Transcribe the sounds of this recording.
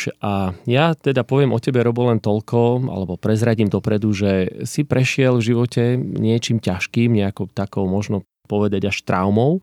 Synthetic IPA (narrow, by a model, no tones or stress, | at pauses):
ʔajat̪ɛd̪apɔʋɪɛmʔɔcɛbɛɾɔbɔlɛnt̪ɔʎkɔa̰lɛbɔpɾɛzɾaɟimd̪ɔpɾɛd̪uʒɛsipɾɛʃɪɛlvʒiʋɔcɛɲɪɛt͡ʃiːmcaʃkiːmɲɛakɔt̪akɔʊmɔʒnɔ | pɔʋɛd̪aɟaʃt̪ɾʔaʊmɔʊ